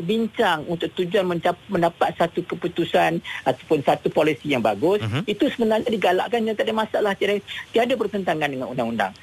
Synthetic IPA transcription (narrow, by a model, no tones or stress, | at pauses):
biɲt͡ʃaŋunt̪ʊk̚t̪ud͡ʒuanmə̃ɲt͡ʃaməndapat̪̚sat̪ukəput̪usanat̪apʊnsat̪upolisijaŋbaɡʊsit̪usəbənarɲadiɡala̰ʔkand͡ʒat̪adamasaʔlaht̪iadat̪iadapərk̪ənt̪aŋandəŋa̰nṵndaŋunda̰ŋ